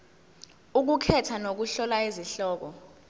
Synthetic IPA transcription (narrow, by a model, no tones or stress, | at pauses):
uk̬ukʰɛtʰanok̬uɬɔlaiziɬɔːk̬ɔ